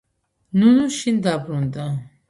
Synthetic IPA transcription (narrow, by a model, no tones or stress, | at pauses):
nunuʃind̪apɾũnt̪a